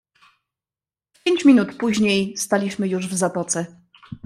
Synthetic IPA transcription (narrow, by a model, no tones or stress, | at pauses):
pʲjeɲt͡ɕmʲinut̪puʑɲejst̪alʲiɕmɘjuʐvzap̪ɔt̪sɛ